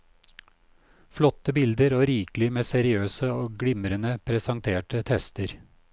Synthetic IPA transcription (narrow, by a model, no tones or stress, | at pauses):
flɔt̪əbɪld̪əɾoːɾiːklɪmeːsɛɾɪøːsəoːɡɽɪmɾənəpʰɾɛsɑŋt̪ʰeːʈət̪ʰɛst̪əɾ